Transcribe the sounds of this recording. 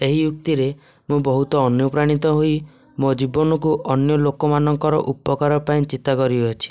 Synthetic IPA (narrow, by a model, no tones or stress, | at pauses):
eɦijuk̚t̪iɾe | mũbɔɦut̪ɔːnjɔpɾaɽ̃it̪ɔɦoi | mod͡ʒibɔnɔkuʔɔnjɔlokɔmanɔŋkɔɾɔ̰ʔupɔkaɾɔpaĩt͡ʃit̪akɔɾiɔt͡ʃʰi̥